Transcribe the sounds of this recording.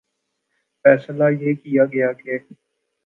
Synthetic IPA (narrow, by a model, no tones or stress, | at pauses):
fɛːslajeːkijaːɡɐjaːkeː